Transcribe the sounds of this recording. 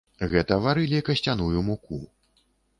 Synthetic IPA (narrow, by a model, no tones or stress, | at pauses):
ɣɛt̪ɐvaɾɨlʲikɐsʲt͡sʲanujumuku